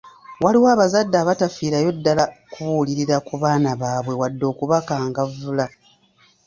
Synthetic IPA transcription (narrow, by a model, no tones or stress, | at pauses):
waliwaːβazadːaːβatafiːɾajo̞dːalakuβuːliɾiɾakuβaːnaβaːβwe̞wadːo̞ːkuβakaːŋɡavula